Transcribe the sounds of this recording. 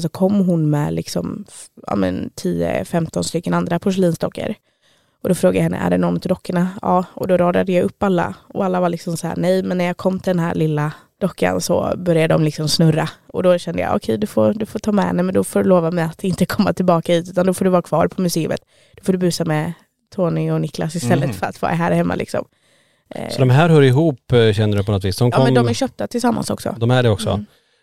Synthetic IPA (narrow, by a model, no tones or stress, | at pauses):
s̬ɔkʰɔmːɦʊnmɛ̰lʔɪksɔ̰mʔaɑ̰ːmɛ̰nt̪ʰiːə̰fɛmt̪ɔnst̪ʏkːənand̪ɾapʰʊʂ̬ɛliːnst̪ɔkːə̰ɾ | ʔɔd̪ɔfɾoːɡad̪jaɦɛnːə̰ʔæ̰ɖɛnɔnːt̪ʰɪd̪ɔkːəɳaɑːɔd̪ɔɾɑːd̪ad̪əjaɵpːalːa̰ɔalːavalɪksɔmsahæ̰ːnɛjmɛnːæɾjɑːkʰɔmːt̪ʰɪld̪ɛnɦæ̰ːɾɭɪlːa | d̪̥ɔkːa̰nsɔ̰bœɾjad̪əd̪ɔ̰mlɪksɔmsnɵɾːaɔd̪ɔɕɛnd̪əja̰ʔɔ̰kʰɛjd̪ɵfod̪ɵfoːʈ̪ʰɑːmɛ̰nɛmɛnd̪ɔfoːdɵloːvamɛjat̪ɪnt̪əkʰɔmːa̰t̪ʰɪlbɑːkad̪iːt̪ʉ̟ːt̪and̪ɔfoːɖɵvɑːɾakʰv̥ɑ̰ːɾpʰɔmɵseːɵ̰mə̰t̪ | d̪̥ɔfoːɖ̪ɵbʉ̟ːsamɛ | t̪ʰoːnɪɔnɪkla̰sɪst̪ɛlːət̪fœɾa̰t̪vɑ̰ːɾaɦæːɾhɛmːa̰lɪ̰ksɔ̰m | sɔd̪ɔmɦæːɾɦœɾɪɦuːpɕɛnːəɖʉpɔnɔt̪viːsd̪ɔmkːɔmɛnd̪ɔmæɾɕœːp̚t̪at̪ʰɪlsamːa̰nsɔ̰ksɔ̰d̪ɔmæɖɛɔksɔ̰